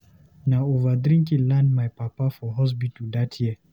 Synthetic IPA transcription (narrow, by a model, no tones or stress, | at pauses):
naovadɾĩŋkĩlɛ̃nmajpapafɔɦɔs̬bitud̪atʰji